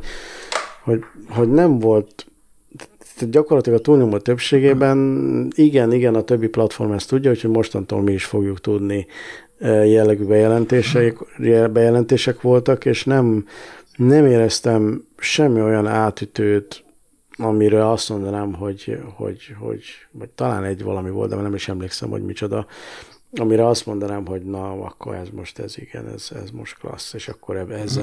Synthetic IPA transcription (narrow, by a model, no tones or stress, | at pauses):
ho̞ɟɦo̞ɟnɛɱvo̞lt̪ | ɟɒko̞rlɒt̪ilɒɡɒt̪uːlɲomot̪øpʃeːɡeːbɛniɡɛniɡɛnɒt̪øbːiplɒt̪fo̞̰rmɛst̪uɟːɒɦucʰho̞ɟmo̞ʃt̪ɒnt̪o̰ːlmiiʃfo̞ɡjukt̪ud̪ni | jɛlːɛɡyːbɛjɛlɛnt̪eːʃɛbɛjɛlɛnt̪eːʃɛkʋo̞lt̪ɒkeːʃnɛm | nɛmeːɾɛst̪ɛm | ʃɛmːio̞jɒnaːt̪yt̪øːt̪ | ɒmiɾɛlɒst̪mo̞nd̪ɒnaːmɦo̞ɟho̞̰ɟho̞̰ɟvɒɟt̪ɒla̰ːnɛɟʋɒ̰lɒmivolt̪d̪ɛmːrnɛmiʃɛmleːksɛ̰mho̰ɟmit͡ʃod̪ɒ | ɒmiɾɛɒst̪mo̞nd̪ɒnaːmɦo̞ɟnɒɒ̰kːo̞̰ɾɛzmo̞ʃt̪ɛ̰ziɡ̥ɛ̰nɛ̰z̥ɛ̰zmo̞̰ʃt̪klɒ̰sːeːʃɒkːo̞ɾɛɛz